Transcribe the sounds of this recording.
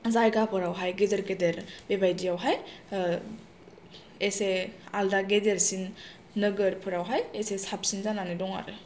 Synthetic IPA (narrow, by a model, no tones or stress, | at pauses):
zajɡapʰɔɾawɦajɡedeɾɡedeɾbebajdiawɦaj | esealdaɡedeɾsinː | ɯɡɯɾpʰɯɾawɦajesesap̚sinzananidɔŋa̰ɾɯ